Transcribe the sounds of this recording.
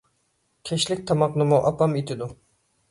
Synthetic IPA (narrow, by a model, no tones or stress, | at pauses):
kʲʰɛʃlɪk̚ʲt̪ʰɑmɑqnɨmuʔɑpɑmit̪ʰɪd̪u